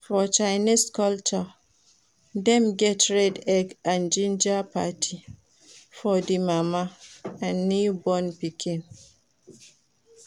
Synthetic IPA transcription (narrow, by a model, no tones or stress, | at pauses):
fɔt͡ʃaɪniskɔlt͡ʃɔ | dɛ̃mɡɛtɹɛdɛɡãnd͡ʒĩnd͡ʒapʰatʰi | fɔdimamaãnːibɔ̃npikʰĩn